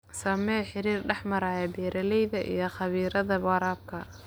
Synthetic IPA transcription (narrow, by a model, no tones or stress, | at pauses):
sɐmɛːħɪɾiːrɖɛħmɐɾaːjɛbɛːɾɐlɛjðɐʔḭjɞχɑβiːɾɐðɐβɑɾaːb̚kʰɐ